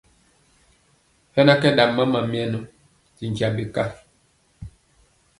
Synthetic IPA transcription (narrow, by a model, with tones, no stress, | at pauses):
hɛ˦na˦kɛ˦da˨mːa˦ma˨mjɛ˦no˦ | zi˨n˨kja˨bi˨ka˦˨